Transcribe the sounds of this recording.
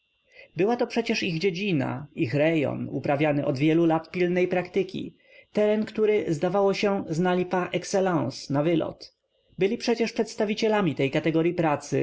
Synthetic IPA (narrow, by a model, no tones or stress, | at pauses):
bɘwat̪ɔpʂɛt͡ɕɛʂiɣd͡ʑed͡ʑina̰ixɾɛjɔ̰nṵpɾavʲjanɘʔɔd̪vʲjɛlulat̪pʲilnɛjpɾakt̪ɘkʲḭ | t̪ɛɾɛnkt̪uɾɘzd̪avawɔɕɛznalʲipaʔɛksɛlãw̃snavɘlɔ̰t̪ | bɘlʲipʂɛt͡ɕɛʂpʂɛt̪st̪avʲit͡ɕɛlamʲit̪ɛjkat̪ɛɡɔɾjipɾat̪sɘ̰